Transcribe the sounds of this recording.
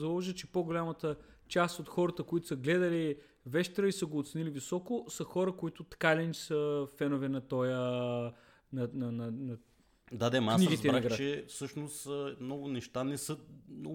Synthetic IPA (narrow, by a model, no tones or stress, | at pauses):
zɐlˠɔʒit͡ʃɛpoɡʊlʲamət̪ət͡ʃast̪ot̪xɔɾət̪əkʊit̪ʊ̥səɡlɛd̪əli | vɛʃt̪ɾəisəɡoːt̪sɛnilivisɔkʊsəxɔɾəkʊit̪ʊt̪ɐ̥kalɛnisəfɛnʊvɛnɐt̪ɔjə | nɐnɐnɐnɐ | d̪ad̪ɛmkasniɡit̪zɛɾaɡɾat͡ʃɛfsɤʃnoʊsmnɔɡʊnɛʃt̪anɛsɤmnɔ